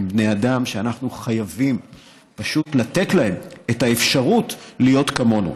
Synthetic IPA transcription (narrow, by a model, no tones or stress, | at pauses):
mbneadamʃeanaχnuχajavim | paʃutlatetlahe̞metaefʃaʁutlijo̞tkamo̞nṵ